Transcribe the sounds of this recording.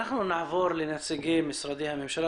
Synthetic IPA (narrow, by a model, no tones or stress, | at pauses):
aħnunaʕvoɾˤlɪnasɪɡimɪsɾˤɑd̪ihamɪmʃal